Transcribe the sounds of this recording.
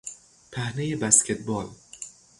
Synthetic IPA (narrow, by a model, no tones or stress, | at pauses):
pʰæhnejebæscʲʰet̪̚ʰbɒl